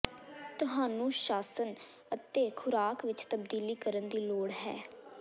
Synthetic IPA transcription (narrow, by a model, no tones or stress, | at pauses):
t̪ʊɦaːnũːʃaːsən | ət̪eːkʰʊɾaːkʋɪt͡ʃt̪əbd̪iːliːkəɾənd̪iːloːɽɦɛː